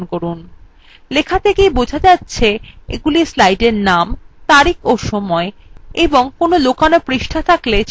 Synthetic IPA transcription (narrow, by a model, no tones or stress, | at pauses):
nkoɾun | lekʰat̪ʰekejbod͡ʑʱad͡ʑatːɕʰeḛɡulislajɖeɾnamt̪aɾikʰoʃɔmɔeeboŋkonolokanopɾiʃʈʰat̪ʰaklet͡ɕ